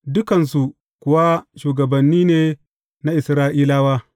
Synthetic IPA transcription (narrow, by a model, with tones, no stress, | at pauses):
dʊ˦kɐ˨nsu˨ | kʷʊ˨wa˦ʃuː˨ɡɐ˨bɐ˨nːiː˦neː˨ | na˦ʔɪ˨sɾaː˦ʔiː˦laː˦waː˦